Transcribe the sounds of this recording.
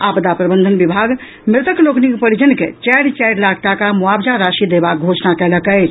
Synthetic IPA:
apd̪apɾəbənd̪ʱənbibʱaɡ | mɾɪt̪əkloknikpəɾid͡ʒənkḛt͡ʃɛɽt͡ʃɛjɽlaɡ̚ʈakamuabd͡ʒaɾaʃid̪ebak̚ɡʱot͡ʃnakɛləkət͡ʃʰ

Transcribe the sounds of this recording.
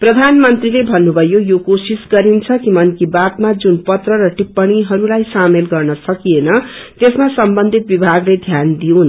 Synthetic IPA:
prʌd̪ʱanmʌnt̪rilebʱʌnːubʱʌjojokosisɡʌɾint͡sʰʌkimʌnkibat̪mad͡zunpʌt̪rʌɾʌʈipːʌɽ̃iɦʌɾulajsamelɡʌrnʌsʌkijenʌt̪esmasʌmbʌnd̪ʱit̪̚bibʱaɡled̪ʱjand̪iũn

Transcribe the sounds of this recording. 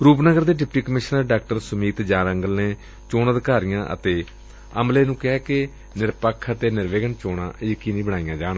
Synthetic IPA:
ɾuːpnəɡəɾd̪eːɖɪpʈiːkəmɪʃnəɾɖaːk̚ʈəɾsʊmiːt̪d͡ʒaːɾəŋɡəlneː | t͡ʃoːnəd̪kaːɾijãːʔə̰t̪eː | əmleːnũːkɛːkɪ | nɪɾpəkʰət̪eːnɪɾʋeːɡənt͡ʃoːɽã̰ːʔekiːnĩːbəɽaːijãːd͡ʒaːɳː

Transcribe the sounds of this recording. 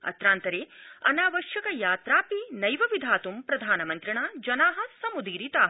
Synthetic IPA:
ɐ̰t̪ɾaːnt̪ɐɾeːɐ̰naːʋɐʃjɐkɐjaːt̪ɾaːpinɐjʋɐʋid̪ʱaːt̪umpɾɐd̪ʱaːnɐmɐnt̪ɾiɳaːd͡ʒɐnaːɦɐ̆sɐmud̪iːɾit̪aːɦɐ

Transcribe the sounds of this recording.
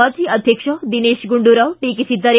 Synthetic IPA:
at͡siːəd̪ʱjəkʂəd̪ineɕɡuɳɖuɾawʈikit͡ɕit̪ːəɾ

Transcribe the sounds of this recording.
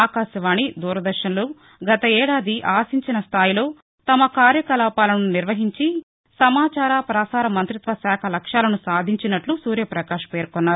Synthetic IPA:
aːkaːʃɐʋaːɳid̪uːɾɐd̪ɐɾʃɐnloː | ɡɐt̪ɐɛːɽaːd̪iʔaːsiɲt͡ʃinɐst̪ʰaːjilo̞ː | t̪ɐmɐkaːɾjɐkɐlaːpaːlɐnuniɾʋɐɦiɲt͡ʃi | sɐmaːt͡ʃaːɾaːpɾaːsaːɾɐmɐnt̪ɾit̪ʋɐsaːkʰɐlɐkʂaːlɐnusaːd̪ʱiɲt͡ʃinɐʈlusuːɾjɐpɾɐkaːʂɐ̥peːɾkonːaːɾu

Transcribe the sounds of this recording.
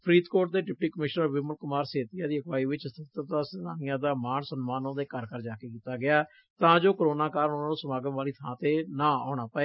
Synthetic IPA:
pʰɾiːt̪koːʈ̚d̪eːɖɪp̚ʈiːkəmɪʃnəɾʋɪməlkʊmaːɾseːt̪ijaːd̪iːəkʋaːiːʋɪt͡ʃst̪ʰɪt̪ːɾd̪aːsnaːnijãːd̪aːmaːnsənmaːnõːd̪eːkəɾkəɾd͡ʒaːkeːkiːt̪aːɡɪaː | t̪ãːd͡ʒoːkəɾoːnaːkaːɾənonaːnũːsəmaːɡəmʋaːliːt̪ʰãːt̪eːnãːaːɽ̃aːpəeː

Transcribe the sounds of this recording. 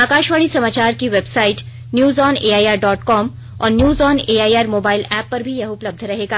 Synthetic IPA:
aːkaːʃʋaːɽ̃isɐmaːt͡ʃaːɾkiʋebsaːɪʈ | njuːzɔːneːaːjaːɾɖɔːʈkɔːm | ɔ̰ːɾnjuːzɔːneːaːjaːɾmoːbaːɪlɛːpːɐɾbʱijɐɦʊpləb̚d̪ʱɾɐɦeːɡaː

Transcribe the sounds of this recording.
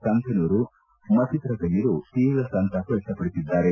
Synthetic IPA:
sɐnt̪ʰɐnuːɾu | mɐt͡ʃit̪ɾɐkɐniɾut̪iːlɐsɐnt̪ʰɐkɐʈːɐpɐɽisid̪ːaːɾe

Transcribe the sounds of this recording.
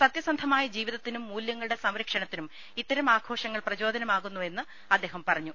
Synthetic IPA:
sɐt̪jɐsɐnd̪ʱɐmaːjɐd͡ʑiːʋiðɐt̪ːinumːuːljɐŋːɐɭuɽe̞sɐmɾɐkʂɐɳɐt̪ːinum | it̪ːɐɾɐmaːɡʰo̞ːʂɐŋːɐɭprɐt͡ɕo̞ːd̪ɐnɐmaːɣunːuenːɨ | ɐd̪ːe̞ːɦɐmpɐrɐɲːu

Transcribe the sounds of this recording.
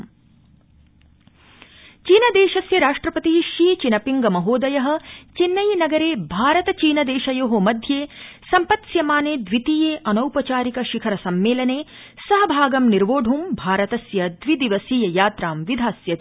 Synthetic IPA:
t͡ʃiːnɐd̪eːʃɐsjɐɾaːʂʈɾɐpɐt̪iɦiʃiːt͡ʃinɐpiŋɡɐmɐɦoːd̪ɐjɐɦɐ̆t͡ʃinːɐjnɐɡɐɾeːbʱaːɾɐt̪ɐt͡ʃiːnɐd̪eːʃɐjoːɦomɐd̪ʱjeːsɐmpɐt̪sjɐmaːneːd̪ʋit̪iːjeːʔɐnɐwpɐt͡ʃaːɾikɐʃikʰɐɾɐsɐmːeːlɐneː | sɐɦɐ̆bʱaːɡɐmniɾʋoːɖʱumbʱaːɾɐt̪ɐsjɐd̪ʋid̪iʋɐsiːjɐjaːt̪ɾaːmʋid̪ʱaːsjɐt̪i

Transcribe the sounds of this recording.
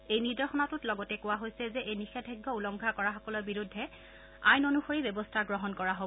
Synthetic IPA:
ejniɹdɔɹxɔnatʊtlɔɡɔtɛkʊwaɦojsɛzɛʔejnixɛdʱɔjɡʱːɔulɔŋɡʱakɔɹaxɔkɔlɔɹbiɹudʱːɛ | ajnonuxoɹibɛbɔstʰaɡɹɔɦɔnkɔɹaɦob

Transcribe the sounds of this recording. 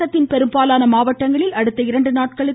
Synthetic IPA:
ɐt̪ːɪnpɛɾɯmbaːlaːnɐmaːʋɐʈːɐŋɡɐɭɪlɐɽɯt̪ːɐɪɾɐɳɖɯnaːʈkɐɭɯ

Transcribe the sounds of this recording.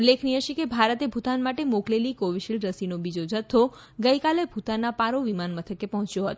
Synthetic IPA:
lekʰniɦəʃekebʱaɾət̪ebʱut̪anmaʈemoklelikoʋiʃilɾəsinobid͡ʒod͡ʒət̪ʰːo | ɡəjkalebʱut̪anːapaɾoʋimanmət̪ʰəkepɔɦɔ̃t͡ʃjoɦət̪o

